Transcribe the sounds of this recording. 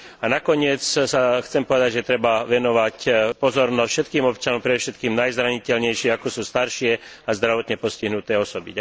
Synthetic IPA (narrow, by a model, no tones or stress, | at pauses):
anakɔɲɪɛt͡ssaxt͡sɛmpɔʋɛd̪aɟʒɛt̪ɾɛbaʋɛnɔʋacpɔzɔɾnɔsfʃɛt̪kiːmɔpt͡ʃanɔmpɾɛd̪ɔʃɛt̪kiːmnajzɾaɲicɛlɲɛjʃɪɛakɔsuːst̪aɾʃɪɛ | azd̪ɾaʋɔt̪ɲɛpɔsciɦnut̪ɛːɔsɔbia